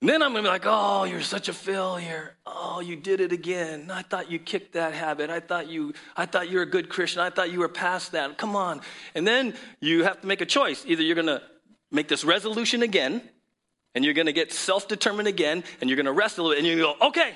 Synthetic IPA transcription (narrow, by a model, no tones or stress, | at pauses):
nðɨ̃ñãɪ̃mɡʌnbilaɪkoʊjə˞sʌt͡ʃɨfelˠjə˞ʔoʊjɨdɪɾɨɾɨɡɛ̃naɪθɔt͡ʃɨkʰɪk̚t̪̚ðɨt̚ɦæbɨɾaɪθɔt͡ʃɨaɪθɔt͡ʃə˞ɨɡʊd̚kʰɹ̥ɪst͡ʃɨ̃naɪθɔt͡ʃɨwə˞pʰæsðɨt̚kʰʌ̃mə̃nɨ̃nðɨ̃njɨhæftəmeɪkɨt͡ʃʰɔɪsiðə˞jə˞ɡʌnə | meɪk̚ðɪsɹɛzəlʉʃɨ̃nɨɡɛ̃n | ɨ̃njə˞ɡʌnɨɡɛtsɛlˠfd̥ɨtʰɜ̃˞mɨ̃ndɨɡɛ̃nɨ̃njə˞ɡʌnəɹɛstlɪl̩ˠbɪɨ̃njɨɡoʊʔoʊkʰeɪ